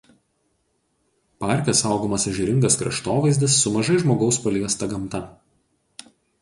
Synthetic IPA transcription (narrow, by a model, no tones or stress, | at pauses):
pɑˑɾʲˑkʲɛsɑˑʊɡoːmɐsɐʒʲɪɾʲɪŋɡɐskɾɐ̰ʃt̪oːʋɐɪzʲd̪ʲɪsːʊmɐʒɐɪʒmoːɡɐʊspɐlʲiɛst̪ɐɡɐmˑt̪ɐ